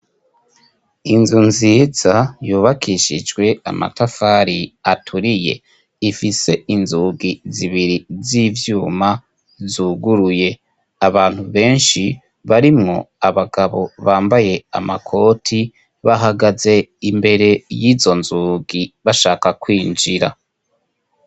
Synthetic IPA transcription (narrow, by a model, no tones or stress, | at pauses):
inzunziːz̥ajuːβakʰiʃid͡ʒɡwe̞a̰ma̰tafaɾiatʰuɾije̞̰ | ifise̞inzuːɡiziβiɾizivjuːma | zuːɡuɾuje̞ | aβaːn̥huβe̞ːnʃi | βaɾimŋo̞̰aβaɡaβo̞̰βaːmbaje̞amakʰo̞tʰi | βaɦaɡaze̞imbe̞ɾe̞jiːzo̞nzuːɡiβaʃaːkakwiːnd͡ʒiɾa̰